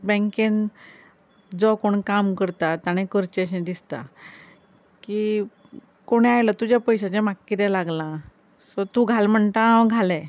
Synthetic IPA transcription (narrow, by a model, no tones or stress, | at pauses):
bɛ̃ŋken | d͡zɔkoɳkamkəɾt̪at̪aɽ̃ẽkəɾt͡ɕeəɕẽd̪ist̪a̰ | kiː | koɽ̃eajlət̪ud͡ʑjapəjɕat͡ɕemakːiɾjalaɡlã | sɔt̪uɡʱalm̤əɳt̪aɡʱalɛ